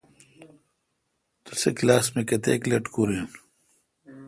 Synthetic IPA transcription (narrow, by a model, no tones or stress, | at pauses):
t̪useklaːsmekɐt̪ḛːklɐʈkuɾiːn